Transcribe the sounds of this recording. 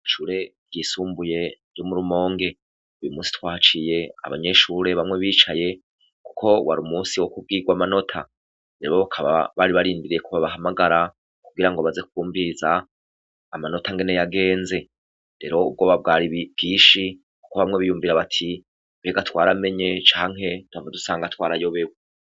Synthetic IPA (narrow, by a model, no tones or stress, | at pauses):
ʃuːɾe̞ | ɟiːsuːmbuje̞ɾɟo̞muɾumo̞ːŋɡe̞ | ujumuːsi̥twaːt͡ʃije̞a̰βa̰ɲe̞ʃuɾe̞βamŋe̞βiːt͡ʃaje̞ | ku̥kʰo̞wa̰ɾumuːsiwokub̚ɡiːɡwamano̞tʰa | ɾeɾo̞βakʰaβa̰βaɾiβaɾiːndiɾijekʰuβaβaɦamaɡaɾa | kuɡiɾaŋɡoβaze̞k̚uːmvizaː | mano̞tʰaŋɡe̞ne̞jaɡe̞ːnze̞ | ɾe̞ɾo̞ub̚ɡo̞βab̚ɡaːɾiβ̥ɡiːʃi | ku̥ko̞βamŋe̞βijuːmviɾaβatʰi | βe̞ːɡatwaːɾame̞ɲe̞t͡ʃaːŋɦe̞twavadusaːŋɡatwaːɾajo̞βe̞we